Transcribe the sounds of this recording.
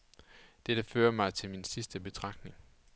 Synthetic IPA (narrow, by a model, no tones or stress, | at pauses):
d̥ed̥əfø̰ːɐmɑ̈ɪt͡sʰe̝lminsisd̥əb̥e̝t͡sʰʁɑ̈ɡ̥̚ne̝ŋ